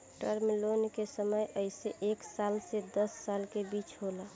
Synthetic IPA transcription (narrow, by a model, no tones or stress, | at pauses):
ʈəɾmilonkesəməjʔəɪseʔeksalsed̪əsːalkebit͡ʃɦola